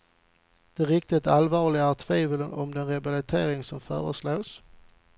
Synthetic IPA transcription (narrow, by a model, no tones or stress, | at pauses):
d̪̥ɛɾɪk̚t̪ɪt̪alvɑːɭɪɡt̪ʰviːvələnɔ̰md̪ɛnɾɛbalɪt̪ʰeːɾɪŋsɔmfœ̰ːɾəsloːs